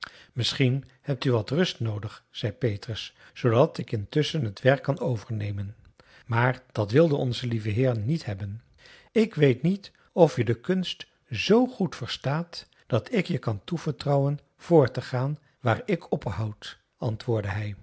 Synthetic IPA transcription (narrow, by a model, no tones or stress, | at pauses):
mɪsχinhɛp̚tyʋɑtrɵstnowdəχz̥ɛjpejtrəs | sowdɑtɪkɪntʏsənɦətʋɛɹkːɑnowvəɹnejmən | maːɹd̥ɑtʋɪlˠdənɔ̰nzəlivəɦɪːrənːithɛbən | ɪkʋejtnit | ɔfjədəkɵnst | zowχutfəɹstaːt | d̥ɑtɪkjəkɑntuv̥əɹtrɑwən | v̥ʊːɹtəχaːn | ʋaːɹɪkʰɔpɦɑwt | ɑntʋʊːɹdəɦɛj